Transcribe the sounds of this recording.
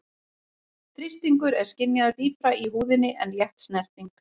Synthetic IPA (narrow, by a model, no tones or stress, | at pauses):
t̪ʰɾist̪iŋkʏɾɛɾ̥scɪnːjaðat̪iːpɾaiɦuːðɪnɪʔɛnjɛht̪snɛr̥t̪iŋk